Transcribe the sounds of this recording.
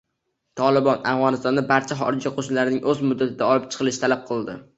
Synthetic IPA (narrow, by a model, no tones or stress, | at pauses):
t̪ʰɒlɪbɒna̰fʁɒnɪst̪ɒnd̪abaɾt͡ʃʰaχɒ̰ɾɪd͡ʒaqʰoʃnlaɾɪnɪŋʔɵzmʊd̪ːat̪ʰɪd̪aɒlɪp̚t͡ʃʰɨ̥qʰɨlˠɪʃɪt̪ʰalap̚qʰɨlˠd̪ɪ